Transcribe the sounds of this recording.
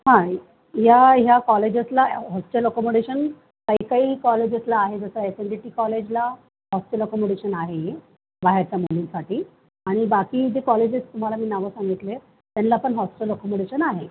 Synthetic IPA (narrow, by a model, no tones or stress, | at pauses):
ɦã | ɦjaɦjakɔled͡ʑəslaɦɔsʈeləkɔmoɽeɕən | kaɦikaɦiːkɔled͡ʑəslaːɦed͡zəsəeseɳɖiʈiːkɔled͡ʑla | ɦɔsʈeləkɔmoɽeɕənaɦe | baɦaɾt͡ɕamulinsaʈʰiː | aɽ̃ibakiːd͡ʑekɔled͡ʑist̪um̤alamiːnaʋəsãŋɡit̪le | t̪janlaːpəɳɦɔsʈeləkɔmoɽeɕənaɦe